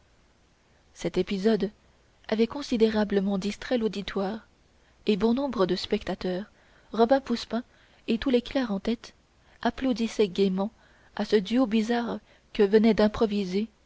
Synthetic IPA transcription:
sɛt̪epizɔd̪ | avɛkɔ̃sid̪eʁabləmɑ̃d̪ist̪χɛlod̪it̪waːʁ | ebɔ̃nɔ̃bʁəd̪əspɛkt̪at̪œːʁ | ʁɔbɛ̃puspɛ̃ | et̪uleklɛʁɑ̃t̪ɛt̪ | aplod̪isɛɡʲemɑ̃ | asəd̪yobizaʁ | kəvənɛd̪ɛ̃pχɔvize

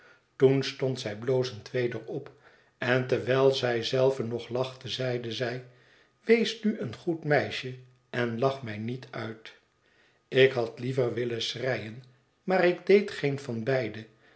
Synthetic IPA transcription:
tunstɔntsɛjbloːwzəntʋejdəɹɔp | ɛntɛɹʋɛlˠzɛjzɛlˠvənɔχlɑχtəzɛjdəzɛj | ʋejsnyʔənχutmɛjʃə | ɛnlɑχmɛjnitʰœɥt | ɪkɦɑtlivəɹʋɪləsrɛjən | maːɾɪɡdejtχenfɑnbɛjdə

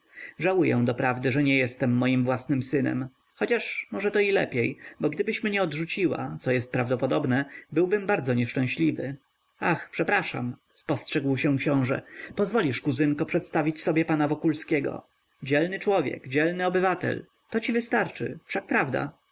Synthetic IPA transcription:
ʐawujɛ̰̃w̃d̪ɔpɾavd̪ɘʐɛɲɛjɛst̪ɛmːɔjimvwasnɘmsɘnɛ̰m | xɔt͡ɕaʂmɔʐɛt̪ɔilɛ̰pʲjejbɔɡd̪ɘbɘɕmɲɛɔd̪ʐut͡ɕiwa̰t̪sɔjɛst̪̚pɾavd̪ɔpɔd̪ɔbnɛbɘwbɘmbaɾd̪zɔɲɛʂt͡ʂɛ̃ɕlʲivɘ̰ | axpʂɛpɾaʂa̰m | spɔstʂɛɡwɕɛ̃kɕɔ̃w̃ʐɛ̰pɔzvɔlʲiʂkuzɘŋkɔpʂɛt̪st̪avʲit͡ɕsɔbʲjɛpanavɔkulskʲɛɡɔ̰ | d͡ʑɛlnɘt͡ʂwɔvʲjɛ̰kd͡ʑɛlnɘɔbɘvat̪ɛ̰l | t̪ɔt͡ɕivɘst̪aɾt͡ʂɘ̰fʂak̚pɾavd̪a̰

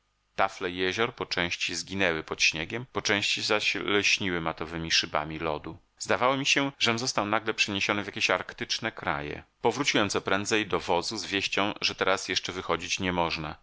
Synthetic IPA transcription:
t̪aflɛjɛʑɔɾpɔt͡ʂɛ̃w̃ɕt͡ɕizɡʲinɛwɘpɔt̪ɕɲeɡʲɛmpɔt͡ʂɛ̃w̃ɕt͡ɕizaɕlɛɕɲiwɘmat̪ɔvɘmʲiʂɘba̰mʲilɔd̪u | zd̪avawɔmʲiɕɛʐɛmzɔst̪awnaɡlɛpʂɛɲeɕɔnɨvʲjakʲeɕaɾkt̪ɘt͡ʂnɛkɾa̰jɛ̰pɔvɾut͡ɕiwɛmt̪sɔpɾɛnd̪zɛjd̪ɔvɔzuzvʲjeɕt͡ɕɔ̃w̃ʐɛt̪ɛɾasjɛʂt͡ʂɛvɘxɔd͡ʑit͡ɕɲɛmɔʐna

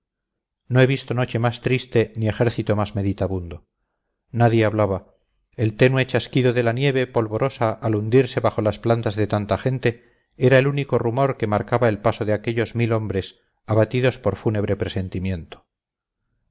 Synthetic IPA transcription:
noe̞βist̪o̞no̞t͡ʃe̞mast̪ɾist̪e̞nie̞xe̞ɾθit̪o̞mazme̞ðit̪aβund̪o̞ | naðje̞aβlaβa | elt̪e̞nwet͡ʃaskiðoðe̞lanje̞β̞e̞po̞lβo̞ɾo̞saʔːlund̪iɾse̞βaχo̞lasplant̪azðe̞t̪ant̪aχe̞nt̪e̞ | e̞ɾae̞luniko̞rumo̞ɾke̞maɾkaβae̞lpasoðeake̞ʎo̞zmilo̞mbɾe̞s | aβat̪iðo̞spo̞ɾfune̞β̞ɾe̞pɾe̞se̞nt̪imjẽ̞nt̪o̥

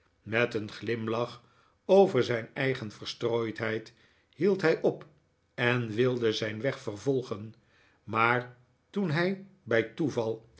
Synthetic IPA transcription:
mɛtənχlɪmlɑχ | owvəɹzɛjnɛjχənfəɹstroːjtɦɛjt | hilˠtɦɛjʔɔp | ɛnʋɪlˠdəzɛjnʋɛχfəɹvɔlˠχən | maːɹ | tunɦɛjbɛjtuvɑlˠ

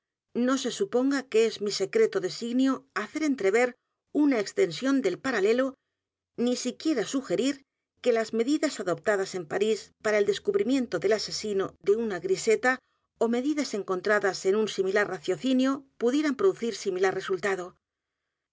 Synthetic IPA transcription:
no̞se̞supo̞ŋɡakeezmise̞kɾe̞t̪o̞ðe̞siɣnjoaθe̞ɾe̞nt̪ɾe̞β̞e̞ɾ | unaekst̪e̞nsjo̞nd̪e̞lpaɾale̞lo̞ | nisikje̞ɾasuxe̞ɾiɾ | ke̞lazme̞ðiðasaðo̞p̚t̪aðase̞mpaɾispaɾae̞ld̪e̞skuβɾimjẽ̞nt̪o̞ðe̞lase̞sino̞ðe̞unaɣɾise̞t̪a | o̞me̞ðiðase̞ŋko̞nt̪ɾaðase̞nunsimilarraθjo̞θinjo̞puðjeɾampɾoðuθiɾsimilarre̞sult̪aðo̞

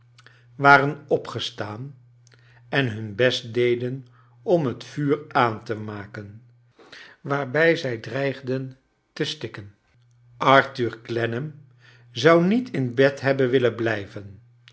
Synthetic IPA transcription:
ʋaːrənɔpχəstaːn | ɛnɦɵnbɛst̚dejdən | ɔmɦətfyːraːntəmaːkən | ʋaːɹbɛjzɛjdrɛjχdən | təstɪkən | ʔɑɹtyːɹklɛnəm | zɑwnitʰɪnbɛtɦɛbənʋɪlənblɛjvən

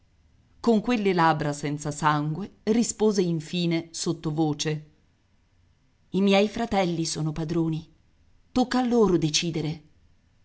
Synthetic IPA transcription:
koŋkwelːelaːbɾasɛnt̪sasaŋɡwerispoːzeiɱfiːnesot̪ːovoːt͡ʃe | imjɛjfɾat̪ɛlːisoːnopad̪ɾoːni | t̪okːaːlːoːɾod̪et͡ʃiːd̪eɾe

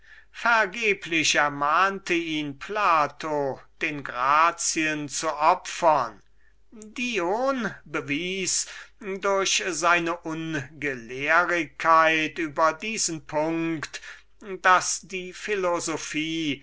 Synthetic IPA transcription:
fɛɐɡeːpʰlɪɕɛɐmaːntəiːnpʰlaːtʰod̥eːnɡʁaːt͡siənt͡suʔɔpfɐn | dioːnbəviːsdʊɐɕzaɪnəʔʊnɡəleːʁɪkʰːaɪtyːbɐdiːzənpʰʊŋkkkt | d̥asd̥iːfɪlozofiː

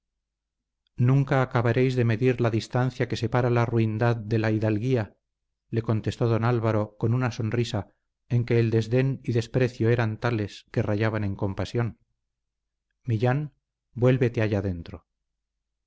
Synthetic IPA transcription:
nũŋkaːkaβaɾe̞jzðe̞me̞ðiɾlaðist̪anθjake̞se̞paɾalaruind̪aðde̞laiðalɣia | le̞ko̞nt̪e̞st̪o̞ðonalβaɾo̞ko̞nunaso̞nrisa | e̞ŋke̞ːld̪e̞zðe̞niðe̞spɾe̞θjoe̞ɾant̪ale̞ske̞raʝaβane̞ŋko̞mpasjo̞n | miʎan | bwe̞lβe̞t̪eaʝaðe̞nt̪ɾo

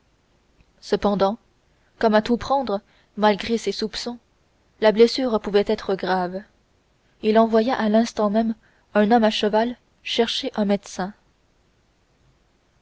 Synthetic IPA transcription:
səpɑ̃d̪ɑ̃ | kɔmat̪upχɑ̃d̪ʁə | malɡʁesesupsɔ̃ | lablɛsyːʁpuvɛt̪ɛt̪χəɡʁav | ilɑ̃vwajaʔalɛ̃st̪ɑ̃mɛm | ɛ̃nɔmaʃəval | ʃɛʁʃeʔɛ̃mɛd̪sɛ̃

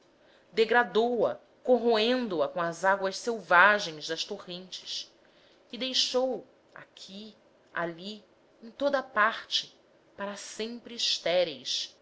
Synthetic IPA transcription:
d̪eɡɾad̪owɐ̰ | koɦoẽnd̪ʊɐkõɐzaɡwɐʃsewvaʒẽj̃zd̪ɐʃt̪ohẽnt͡ʃɪ̥s | kɪd̪ejʃow | a̰kʲʰi | a̰li | ẽj̃t̪od̪ɐpaɾt͡ʃɪ | paɾɐsẽmpɾɪʃt̪ɛɾejs

